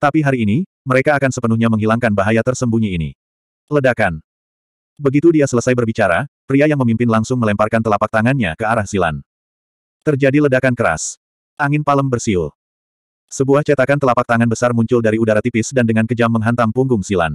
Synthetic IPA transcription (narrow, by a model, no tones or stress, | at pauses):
t̪apiɦaɾiːni | məɾekaːkansəpənuhɲaməŋɦilaŋkanbaɦajat̪ərsəmbuɲiːnḭ | lədakan | bəɡit̪udiasələsajbərbit͡ʃaɾapɾiajaŋməmimpɪnlaŋsʊŋməlɛmparkant̪əlapak̚t̪aŋanɲa̰kəaɾahsila̰n | t̪ərd͡ʒadilədakankəɾa̰s | ʔaŋɪnpaləmbərsiʊ̰l | səbuaht͡ʃat̪akant̪əlapak̚t̪aŋanbəsarmuɲt͡ʃʊldaɾiudaɾat̪ipɪsdandəŋankəd͡ʒamːəŋɦant̪aŋpuŋɡʊŋsila̰n